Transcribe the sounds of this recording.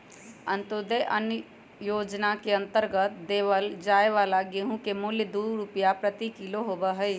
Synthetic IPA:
ə̃nt̪od̪eʔən | joːd͡ʒnakeə̃nt̪əɾɡət̪d̪eːʋəld͡ʒaːeʋaːlaɡeɦũkemʊljəd̪uːɾupijapɾət̪ikiloɦoːbəɦəj

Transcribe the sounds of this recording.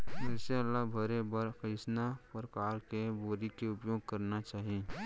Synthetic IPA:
mɐʃalːabʱɐɾebɐɾkisnapɾəkaːɾkeboːɾikeʊpjoːɡ̚kɐɾnat͡ʃaːɦi

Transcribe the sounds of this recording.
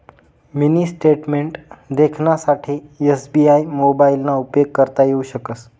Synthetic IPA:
minisʈeʈmeɳʈd̪ekʰnasaʈʰiesbiajmobailnaupjoɡ̚kːəɾt̪ajeuɕəkəs

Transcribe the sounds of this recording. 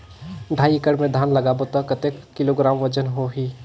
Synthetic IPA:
ɖʱaːiɪkəɽmẽd̪ʱaːnləɡaːbot̪akət̪ekːɪloɡɾaːmʋət͡ʃənɦoɦiː

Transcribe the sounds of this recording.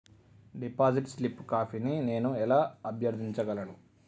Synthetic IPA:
ɖipaːd͡ʒiʈslipːkaːpinine̞ːnuɛlaːɐbjɐɾd̪ʱiɲt͡ʃɐɡɐlɐnu

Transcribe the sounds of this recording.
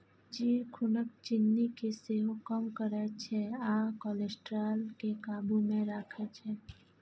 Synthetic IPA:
d͡ʒiːkʰʊnək̚t͡ʃɪnːikeseɦokəmkəɾɛt͡ʃʰɛaːkɔːlesʈɾaːlkekaːbumẽɾaːkʰet͡ʃʰɛː

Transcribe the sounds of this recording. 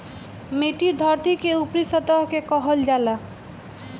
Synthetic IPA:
meʈid̪ʱɔɾt̪ikeupɾisɔt̪ɔɦkekɔɦɔld͡ʒala

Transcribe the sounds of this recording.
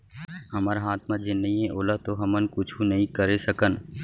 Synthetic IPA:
ɦɐmaːɾaɦaːt̪mad͡ʒɪnːəĩɦẽʔoːlat̪oɦɐmənkʊt͡ʃʰũnɐɦĩkəɾesɐkən

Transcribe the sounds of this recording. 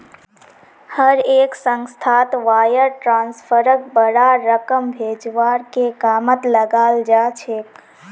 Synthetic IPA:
həɾeːksə̃ŋst̪ʰat̪ʋaːjəɾʈɾãːnspʰəɾək̚bəɽaɾəkəmbʱeːd͡ʒʋaːɾkekaːmət̪ləɡaːld͡ʒaːt͡ʃʰeːk

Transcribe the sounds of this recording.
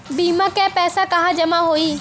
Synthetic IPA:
biːmãːkɛːpɛːsakɐɦãd͡ʒɐmãɦoːiː

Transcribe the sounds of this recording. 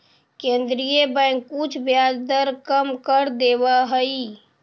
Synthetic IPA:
kẽnd̪ɾijebə̃jŋkːut͡ʃʰbjad͡ʒd̪əɾkəmkəɾd̪ebəɦəi

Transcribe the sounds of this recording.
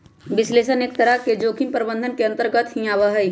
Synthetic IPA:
bɪsleːʃəneːk̚t̪əɾəɦked͡ʒoːkʰɪmpəɾbə̃nd̪ʱənkeɐ̃nt̪əɾɡət̪ɦĩaːʋəɦəi

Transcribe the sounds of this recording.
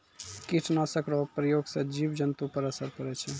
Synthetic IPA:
kiʈʰnasəkɾɔɦpɾəjoːɡsẽd͡ʒibd͡ʒənt̪upəɾəsəɾkəɾɛt͡ʃʰɛ

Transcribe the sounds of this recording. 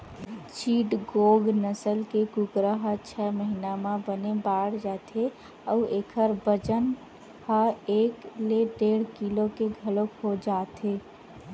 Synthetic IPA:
t͡ʃiːʈɡoːɡnəsəlkekʊɡɾəɦət͡ʃʰɛməɦinamãbənebaːɽd͡ʒaːt̪e | ɔːʔeːkʰəɾbəd͡ʒən | həeːkleɖeːɽ̤kilokeɡʱəlokɦod͡ʒaːt̪ɦe

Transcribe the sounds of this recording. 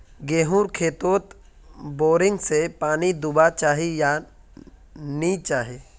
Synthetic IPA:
ɡeːɦuːɾkʰeːt̪oːt̪ | boːɾɪ̃ŋɡsepaːnid̪ʊbat͡ʃaːɦija | nit͡ʃaːɦe

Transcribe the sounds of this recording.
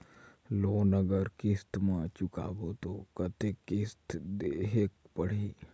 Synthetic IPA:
loːnəɡəɾkɪst̪mãt͡ʃʊka̰ːbot̪okət̪ekɪst̪d̪eɦekpəɽ̤iː

